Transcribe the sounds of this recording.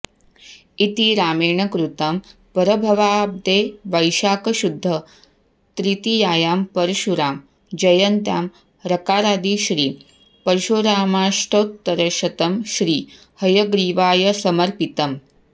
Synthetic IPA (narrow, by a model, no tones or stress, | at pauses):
it̪iɾaːmeːɳɐkɾut̪ɐm | pɐɾɐbʱɐʋaːb̚d̪eːʋɐjʃaːkɐʃud̪ʱːɐ | t̪ɾit̪ijaːjaːmpɐɾɐʃuɾaːm | d͡ʒɐjɐnt̪jaːm | ɾɐkaːɾaːd̪iʃɾiː | pɐɾʃoːɾaːmaːʂʈoːt̪ːɐɾɐʃɐt̪ɐmʃɾiː | hɐjɐɡɾiːʋaːjɐsɐmɐɾpit̪ɐm